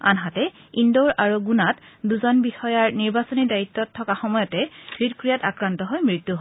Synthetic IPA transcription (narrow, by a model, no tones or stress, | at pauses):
a̰nɦatɛ | indoɹʔaɹuɡunatduzɔnbixɔjaɹniɹbasɔnidajitːɔtʰːɔkaxɔmɔjɔtɛb̥ɹitkɹijatakɹantɔɦɔjmɹitːuɦ